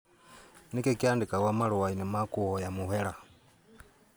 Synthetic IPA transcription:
nikekiaːndikaɣwamaɾuwainimakuhɔjamuhɛɾa

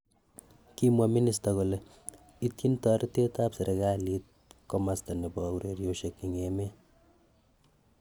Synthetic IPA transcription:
kimwaminis̬taɣole | itjintɔɾʔitetapseɾeɣalit̚ | komastanebɔuɾeɾjoʃekːiŋeme

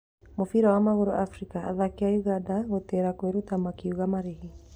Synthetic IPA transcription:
mufiɾawamaɣuɾṵʔafɾikaa̰ðakiajuɣadaɣɔtɛɾakweɾut̪amakiuɣamaɾiɦi

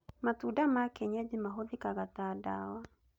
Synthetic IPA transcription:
matudamakɛɲɛd͡ʒimaɦoðikaɣatada̰wa

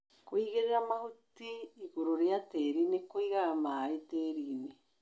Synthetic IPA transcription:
koiɣeɾeɾamahut̪iːkuɾoɾeat̪eːɾinekoiɣamait̪eːɾiːne

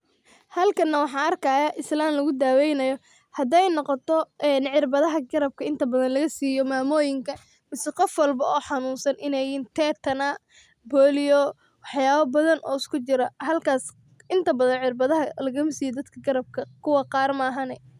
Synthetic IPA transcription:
hɐlkʰɐnːɐwɑħɑːɐrkʰɐːjɐʔɪslaːmlɐɣʊd̪aːwɛjnɐjɔ | hɐd̪ɛjnɔqɔt̪ʰɔɛnʕɪrbɐðɐɦɐɡɐɾɐb̚kʰɐɪnt̪ʰɐbɐðɐnlɐɣɐsiːjɔmaːmɔːjɪŋkʰɐ | mɪsɛqɔfwɑlbɐɔːħɑnuːnsɐnʔɪnɛjiːnt̪ʰɛːt̪ʰɐna | bɔːlɪjɔ | wɑħjaːβɐbɐðɐnʔɔ̰ːɪskʰʊt͡ʃɪɾɐhɐlkʰaːs | ɪnt̪ʰɐbɐðɐnʕɪrbɐðɐɦɐlɐɣɐmsiːjɔd̪ɐd̪kʰɐɡɐɾɐb̚kʰɐkʰʊwɑqɑːrmaːɦɐnɛ

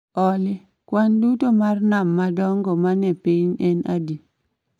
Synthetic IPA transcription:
ɔlɪ | kwandutomarnamːadɔŋɡɔmanɛpiɲɛna̰di

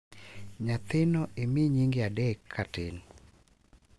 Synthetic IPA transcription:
ɲat̪ɪnɔʔemɪɲiŋɡɪadɛkʰːatɪn

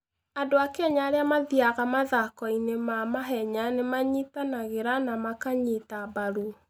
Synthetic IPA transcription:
adoakeɛɲaːɾeamaðiaɣamaðakɔinemamaɦɛɲanemaɲitanaɣeɾanamakaɲitabaɾu

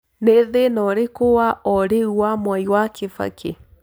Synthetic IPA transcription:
neðenɔɾekowaʔɔɾeuwamwaiwakʰefa̰kʰḛ

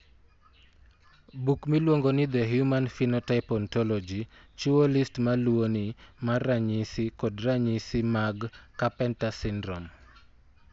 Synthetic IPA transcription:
bukmilwoŋɡonɪd̪ɛɦjumanfinɔtaɪpɔntɔlɔd͡ʒi | t͡ʃuolistmalwonimaraɲisikɔdraɲisimaɡkapɛntasɪndɾɔm

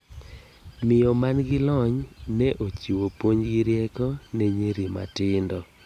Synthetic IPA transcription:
mɪjɔmanɡɪlɔɲnɛʔot͡ʃiwopwoɲɡɪɾjɛkɔnɛɲeɾima̰tɪndɔ

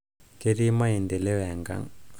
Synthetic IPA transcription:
keɾimaind̪eleʋɛŋɡa̰ŋ

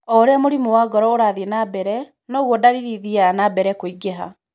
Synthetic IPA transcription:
ɔɾeamoɾimowaɡɔɾɔoɾaðenabɛɾɛ | nɔɣwɔdaɾiɾiðianabɛɾɛkoiɡeɦa̰

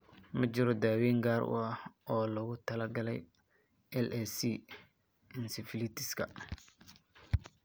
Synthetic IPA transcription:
mɐt͡ʃɪɾɔd̪aːwiːŋɡaːɾʔʊ̰ɐhʔɔːlɐɣʊt̪ʰɐlɐɡɐlɛj | ʔɛlʔɛsi | ɪnsɪfɪlɪt̪ʰɪskʰɐ̰

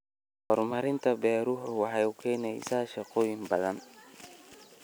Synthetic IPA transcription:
hɔrmɐɾɪnt̪ʰɐbɛːɾʊɦʊwɑħɑjʊkʰɛːnɛjsaʃɑqɔːjɪŋbɐðɐn

